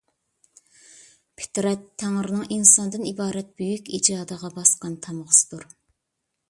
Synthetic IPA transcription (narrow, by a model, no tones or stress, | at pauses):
pʰɪ̥t̪ɾɛt̪ʰːæŋɾɪnɨŋinsɑnd̪ɨnibɑːɾɛt̪̚b̥øjykʲid͡ʒɑːd̪əʁɑbɑsqɑnt̪ʰɑmʁʊsɨ̥d̪̥uɾ